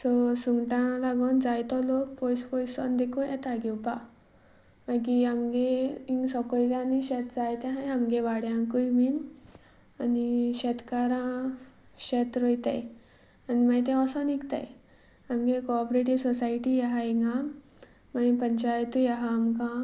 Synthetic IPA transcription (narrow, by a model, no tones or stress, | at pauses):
sɔsuŋɡʈãlaɡɔnd͡zajt̪ɔlokpɔjspɔjsɔnd̪ekʰũɛt̪aɡiwpa | maɡiamɡeiŋɡsɔkɔjd̪ãniɕɛt̪d͡zajt̪ɛ̃ɦãjamɡeʋaɽjãkujmin | aniɕɛt̪kaɾã | ɕɛt̪ɾɔjt̪a̰j | animajt̪̬ɛ̃ɔsɔnikt̪a̰j | amɡekɔpɾeʈiʋsɔsajʈijaɦaiŋɡã | maĩpəɲt͡ɕajt̪ujaɦaːmkã